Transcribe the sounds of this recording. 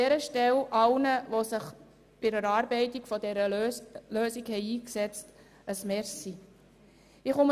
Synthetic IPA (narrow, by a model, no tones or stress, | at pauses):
ɛɾəʃtɛlʔɑlnəʋosɪχ | b̥ɪɾəɾɑːɾbɛɪtikfɔdɛɾəløːsiɡhɛɪiːksɛt͡st | əsmɛɾsi | ɪχʊm